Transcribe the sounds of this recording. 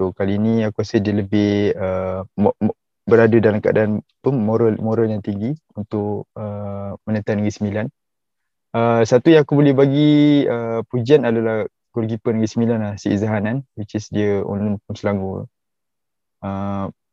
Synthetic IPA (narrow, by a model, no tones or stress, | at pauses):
sokaliːnĩakuɾasədiələbɪhəm | bəɾadadalamkaʔa̰daʔanpʊnmoɾalmoɾaljaŋt̪iŋɡi | unt̪ʊʔəmənət̪anəɡisəmilan | əsat̪ujaŋakubolɛhbaɡiəpud͡ʒianadalah | kurɡipənəɡisəmilanasiʔzaɦananwit͡ʃɪsdiəɔ̰nlʊnp̚ʊnsəlaŋɡṵ | ə